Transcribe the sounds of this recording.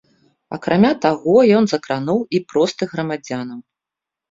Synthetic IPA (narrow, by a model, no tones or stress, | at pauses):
ɐ̰kɾʔamʲat̪aɣɔjɔnzɐkɾanuwipɾɔst̪ɨɣɾɐmad͡zʲanɐm